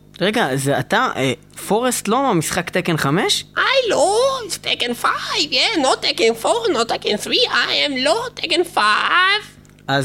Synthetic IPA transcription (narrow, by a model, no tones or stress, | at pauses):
ʁeɡaza̰t̪aʔe | foʁest̪lomamisχakt̪ekenχame̞ʃʔajloistʰekɛ̃nfajvjɛnotːekẽnfoʁnɔtːekẽnθʁiʔajɛ̃mlotekẽnfav | ʔaz